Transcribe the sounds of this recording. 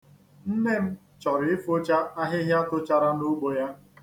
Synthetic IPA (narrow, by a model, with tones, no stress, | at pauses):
n̩˦ne˦m̩˦ | t͡ʃɔ˨ɾɪ˨ɪ˦fo˦t͡ʃa˦a˦ɦɪ˦ɦja˦tʊ˦t͡ʃa˦ɾa˦nu˦ɡ͡bo˨ja˦